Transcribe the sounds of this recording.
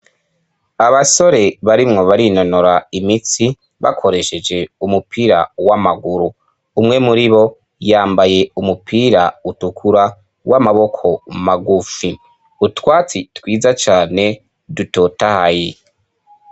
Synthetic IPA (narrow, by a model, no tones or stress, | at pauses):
aβaso̞ɾe̞βaɾimŋo̞βaɾino̞noɾaimit͡si | βa̰kʰo̞ɾe̞ʃe̞d͡ʒe̞umupʰiːɾawamaɡuɾu | umŋe̞muɾiβo̞ | jaːmbaje̞umupʰiːɾautukʰuɾa | wʔamaβo̞kʰo̞maɡufi | utwaːt͡sitwiːzat͡ʃaːne̞ | dutotahaje